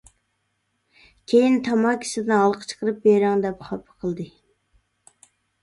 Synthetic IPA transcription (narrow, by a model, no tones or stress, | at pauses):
kʲʰejint̪ʰɑmɑkʲʰi̥sɪd̪ɪnɑlˠqʰə̥t͡ʃʰə̥qəɾɨp̚beɾɪŋd̪ɛpχɑpʰəqʰəlˠd̪ɨ